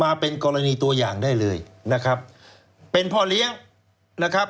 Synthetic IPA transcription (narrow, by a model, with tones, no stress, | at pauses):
maː˧pe˧nkɔː˧ɾa˧niː˧t̪u˧ɐjaː˨˩ŋdaː˥˩jlɤː˧jna˦˥kʰɾa˦˥p̚ | pe˧npʰɔː˥˩li˦˥əŋ | na˦˥kʰa˦˥p̚